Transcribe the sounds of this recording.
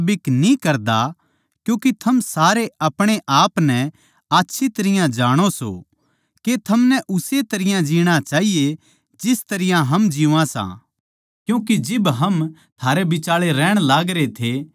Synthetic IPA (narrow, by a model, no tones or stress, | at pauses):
bɪknĩkɐɾd̪a | kjũːket̪ʰɐmsaːɾeɐpɽ̃eʔaːpnɛ̃ | aːtːʃʰit̪ɐɾɪjãd͡ʒaːɽ̃oso̰ | ket̪ʰɐmnɛʔʊset̪ɐɾɪjãd͡ʒiːɽ̃ãt͡ʃaːɦije | d͡ʒɪst̪ɐɾɪjãɦɐmd͡ʒĩãsã̰ | kjũːked͡ʒɪbɦɐm | t̪ʰaːɾebɪt͡ʃaːɭeɾɛːɽ̃laːɡɾet̪ʰe